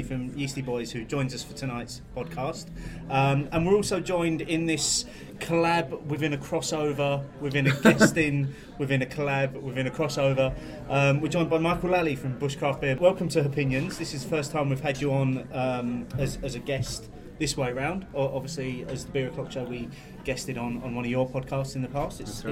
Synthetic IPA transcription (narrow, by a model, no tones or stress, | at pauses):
fɹə̃mjiˑsibɔɪz̥hʉd͡ʒɔ̃ɪ̃nzʌsfətʰənaɪtspʰɒd̚kʰɑˑstʌ̃mə̃nwɪɹɔˑlˠsəʊd͡ʒɔ̃ɪ̃ndɪ̃nðɪs | kʰəlabwɪðɪ̃nəkʰɹ̥ɒsəʊvəwɪðɪ̃nəɡɛstɪ̃n | wɪvɪ̃nəkʰəlabwɪvɪ̃ñəkʰɹ̥ɒsəʊvə | ʔʌ̃mwɪd͡ʒɔ̃ɪ̃nbaɪmɑɪkəlalifɹə̃mbʊʃkʰɹ̥ɑˑfb̥ɪəwɛlˠkə̃mtʰəəpʰɪ̃njə̃nzðɪsɪzðəfɜˑstʰãɪ̃mwiv̥əd͡ʒəə̃nʌ̃məzəzəɡɛst | ðɪsweɪəɹãʊ̃ndəʔɒbviəsliəzðəbɪɹəkʰʌlˠt͡ʃəwi | ɡ̥ɛstɪɾn̩ə̃nwʌ̃ñəvjəpʰɒd̚kʰɑˑstsɪ̃nðəpʰɑˑstɪts